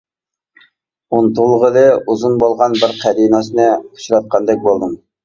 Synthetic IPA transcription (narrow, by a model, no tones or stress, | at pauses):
unt̪ulˠʁəlˠɨuzunbolˠʁɑnbɪɾqʰæɾinɑsɨnɨqʰu̥ʃuɾɑt̪̚qʰɑnd̪ɛk̚ʲbolˠd̪ɨm